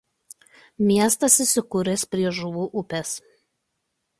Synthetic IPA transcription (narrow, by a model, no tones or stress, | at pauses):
mʲiɛst̪ɐsɪsʲɪkʊɾʲespʲɾʲiɛʒʊʋuːʔʊpʲɛs